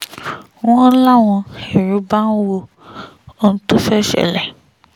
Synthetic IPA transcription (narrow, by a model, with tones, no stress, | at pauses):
w̃ɔ̃˦la˦w̃ɔ̃˧e˨ɾu˨˦ba˦nu˦wo˧ | o˦n̩˦to˦fɛ˦˨ʃɛ̰˦˨lɛ˨